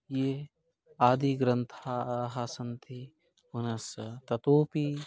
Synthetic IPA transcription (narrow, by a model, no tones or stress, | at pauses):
jeː | aːd̪iɡɾɐnt̪ʰaɦasɐnt̪ʰi | unɐst̪ɐt̪oːpi